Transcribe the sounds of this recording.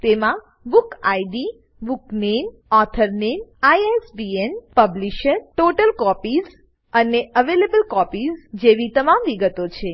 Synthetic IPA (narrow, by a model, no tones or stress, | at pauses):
t̪emã | bukajɖi | buknem | ɔt̪ʰəɾnenajesbienpəbliʃəɾʈoʈəlkɔpiz | əneʔəʋelebəlkɔpizd͡ʒeʋit̪əmamʋiɡət̪ot͡ʃʰe